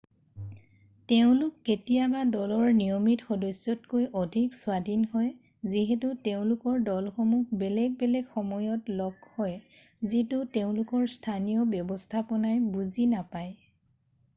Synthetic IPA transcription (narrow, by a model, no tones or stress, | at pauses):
teʊ̃lʊkːetijabadɔlɔɹnijɔmitxɔdɔsjɔtkojʔɔdʱikswadʱinɦɔj | ziɦetʊteʊ̃lʊkɔɹdɔlxɔmukbɛlɛɡ̚bɛlɛɡxɔmɔjɔtlɔkhɔj | zitʊteʊ̃lʊkɔɹstʰanijɔbjɔbɔstʰapɔnajbuzinapaj